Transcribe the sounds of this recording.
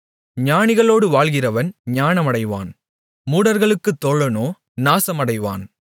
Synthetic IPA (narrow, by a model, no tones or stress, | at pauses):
ɲaːɳɪɣɐɭoːɽɯʋaːɭɣɪrɐʋɐnɲaːɳɐmɐɽɐɪʋa̰ːn | muːɽɐɾɣɐɭɯkːɯt̪ːɔɭːɐnoː | naːsɐmɐɽɐɪʋa̰ːn